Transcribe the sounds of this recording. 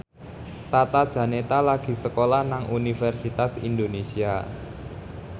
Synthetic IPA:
t̪at̪ad̥ʒ̥ä̤net̪alaɡ̥i̤səkolahnaŋʔunifɛrsit̪asḭnd̪onesia

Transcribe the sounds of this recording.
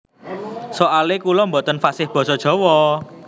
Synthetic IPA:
soalekulɔmbot̪ənfasɪhb̥ɔ̤sɔd̥ʒ̥ɔ̤wɔ

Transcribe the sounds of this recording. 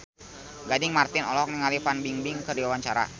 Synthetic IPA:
ɡadɪŋmart̪ɪnɔlɔk̚niŋalifanbiŋbɪŋkədiwawaɲt͡ʃaɾa̰

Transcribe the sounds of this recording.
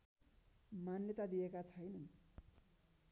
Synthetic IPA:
manjʌt̪ad̪ijekat͡sʰʌjnʌn

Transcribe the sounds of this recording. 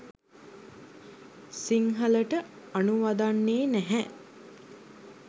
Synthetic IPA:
siŋɦələʈə | anuʋad̪anːeːnæɦɛ

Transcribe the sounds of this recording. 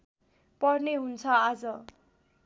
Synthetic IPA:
pʌrneɦunt͡sʰʌad͡zʌ

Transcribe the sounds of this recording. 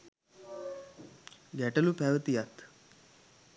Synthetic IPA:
ɡɛʈəlupɛʋət̪ijat̪

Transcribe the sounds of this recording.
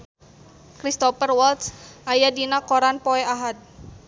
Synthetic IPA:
kɾist̪ɔpərwalt̪sʔajadinakoɾanpɔɛaɦat̪̚

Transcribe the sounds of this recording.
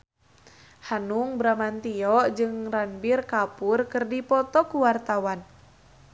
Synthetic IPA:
hanuŋbɾamant̪iɔʔd͡ʒɨŋranbirkapurkɨrdipɔt̪ɔkuwart̪awan

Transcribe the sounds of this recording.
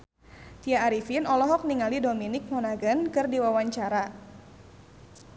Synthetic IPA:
t̪iaːɾifinɔlɔɦɔk̚niŋalidominɪk̚mɔnaɡankɨrdiwawaɲt͡ʃaɾa

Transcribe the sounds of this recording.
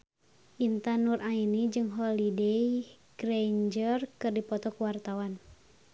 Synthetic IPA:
ʔint̪anurʔainid͡ʒɨŋɦɔlidɛj | ɡ̥ɾɛɲd͡ʒərkɨrdipɔt̪ɔkuwart̪awan

